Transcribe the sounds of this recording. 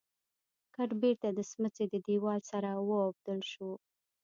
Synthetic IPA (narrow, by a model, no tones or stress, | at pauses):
kaʈbeɾt̪ad̪əsmət͡sed̪əd̪iwɑlsaɾawəab̚d̪əlʃu